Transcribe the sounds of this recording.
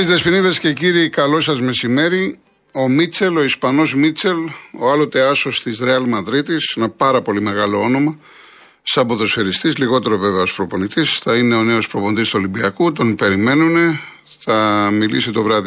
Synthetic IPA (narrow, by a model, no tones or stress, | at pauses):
izðesfiniðesce̞ciɾikɐlo̞sɐzme̞sime̞ɾi | o̞mit͡se̞lo̞ispɐno̞zmit͡se̞lo̞ɐlot̪eɐso̞st̪izɾeɐlmɐðɾit̪isenɐpɐɾɐpo̞lime̞ɣɐlo̞o̞no̞mɐ | sɐboðo̞sfeɾist̪izliɣo̞t̪e̞ɾo̞ve̞veɐo̞spɾo̞po̞nit̪isθɐine̞o̞ne̞o̞spɾo̞po̞nid̪ist̪uolimbiɐkut̪o̞npe̞ɾime̞nune̞ | θɐmilḭsit̪o̞vɾɐði